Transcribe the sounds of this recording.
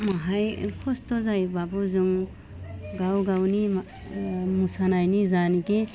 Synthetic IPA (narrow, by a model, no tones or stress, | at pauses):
maɦajkʰɔstɔzajbabɔzuŋ | ɡawɡawnim | musanajnizaniki